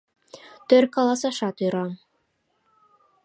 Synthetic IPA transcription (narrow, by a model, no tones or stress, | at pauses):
t̪øɾkɑlˠɑsɑʃɑt̪̆ɾɑm